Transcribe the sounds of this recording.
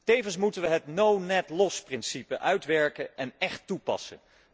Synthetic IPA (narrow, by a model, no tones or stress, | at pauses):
tejvənsmutənʋəɦətnownɛtlɔsprɪnsipəʔœɥtʋɛɹkəʔɛnɛχtːupɑ̰sə̰n